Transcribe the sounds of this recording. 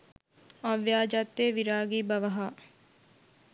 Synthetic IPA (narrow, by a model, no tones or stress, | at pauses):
ɐʋjaːd͡ʒat̪ːeːʋiɾaːɡiːbɐʋɐɦa